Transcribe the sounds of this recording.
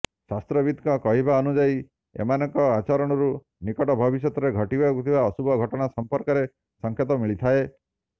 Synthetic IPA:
sast̪ɾɔbid̪kɔkɔɦibaɔnud͡ʒai | ḛmanɔŋkɔat͡ʃɔɾɔɽ̃ɔɾu | nikɔʈɔbʱɔbis̬jɔt̪ɔɾeɡʱɔʈibakut̪ʰibaɔsubʱɔɡʱɔʈɔɽ̃asɔmpɔɾkɔɾe | sɔŋkʰjet̪ɔmiɭit̪ʰae

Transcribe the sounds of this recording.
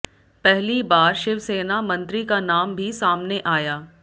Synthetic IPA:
pɛɦlibaːɾʃɪʋseːnamɐ̃nt̪ɾikanaːmbʱisaːmneʔaːjaː

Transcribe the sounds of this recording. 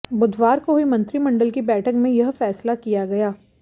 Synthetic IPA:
bʊd̪ʋaːɾkoɦimɐ̃nt̪ɾimɐ̃ɳɖəlkibɛːʈʰəkmẽjɐɦfɛːslakijaɡɐjaː

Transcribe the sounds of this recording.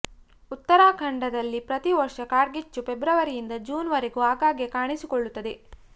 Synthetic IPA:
ut̪ːɐɾaːkʰɐɳɖɐd̪ɐlːipɾɐt̪iʋɐɾʂɐkaːɾɡit͡ʃːupebɾɐʋɐɾijind̪ɐd͡ʒuːnʋɐɾeɡuaːɡaːɡjekaːɳisikoɭːut̪ːɐd̪e̞

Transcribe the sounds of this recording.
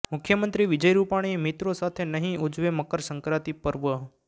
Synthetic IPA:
mʊkʰːjəmənt̪ɾiʋɪd͡ʒəjɾupaɽ̃iemit̪ɾosat̪ʰenəɦĩud͡ʒʋeməkəɾsəŋkɾat̪ipəɾʋəɦ

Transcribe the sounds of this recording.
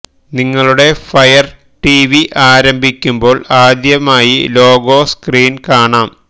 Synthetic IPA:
niŋːɐɭuɽe̞fɐjɐr | ʈiʋiʔaːɾɐmbʱikʲːumbo̞ːɭaːd̪jɐmaːjilo̞ːɡo̞ːskriːnkaːɳaːm

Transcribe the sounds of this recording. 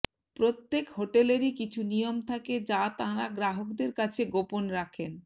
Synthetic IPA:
pɾot̪ːekɦoʈeleɾikit͡ɕʰunijomt̪ʰaked͡ʑat̪aɾaɡɾaɦokd̪eɾkat͡ɕʰeɡoponɾakʰen

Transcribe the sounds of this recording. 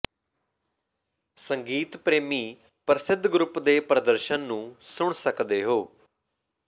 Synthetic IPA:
səŋɡiːt̪pɾeːmiː | pɾəsɪd̪ʱɡɾʊpd̪eːpɾəd̪əɾʃənːũːsʊɳsəkd̪eːɦoː

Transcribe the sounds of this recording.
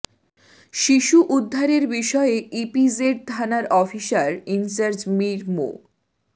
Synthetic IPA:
ʃiʃuʔud̪ʱːaɾeɾbiʃɔeipid͡ʑeʈ̚d̪ʰʱanaɾʔɔfiʃaɾinsaɾd͡ʑmiɾmo̰

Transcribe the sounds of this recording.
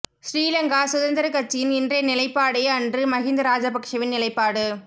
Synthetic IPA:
sɾiːlɐŋɡaːsʊðɐnd̪ɐɾɐkɐt͡ʃːɪjɪnɪndrɐjnɪlɐɪpːaːɽɐɪɐndrɯmɐɣɪnd̪ɐɾaːd͡ʒɐpɐkʂɐʋɪnnɪlɐɪpːaːɽɯ

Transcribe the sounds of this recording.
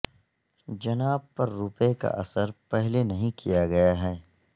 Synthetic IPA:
d͡ʒɐnaːb̚pɐɾːuːpeka̰ʔɐsəɾpɛɦlenɐɦĩkʰijaɡɐjaɦɛː

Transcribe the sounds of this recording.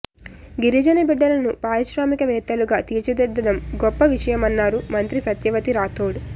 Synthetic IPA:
ɡiɾid͡ʒɐnɐbiɖːɐlɐnupaːɾiʃɾaːmikɐʋɛːt̪ːɐluɡaːt̪iːɾt͡ʃud̪ɛd̪ːɐdɐmɡɔpːɐʋiʂɐjɐmɐnːaːɾumɐnt̪ɾisɐt̪jɐʋɐt̪iɾaːt̪ʰoːɽu

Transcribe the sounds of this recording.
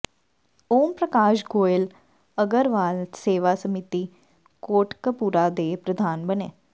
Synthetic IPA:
oːmpɾəkaːʃɡoːɪl | əɡəɾʋaːlseːʋasəmɪt̪i | koːʈkəpuːɾad̪eːpɾəd̪ʱaːnbənḛː

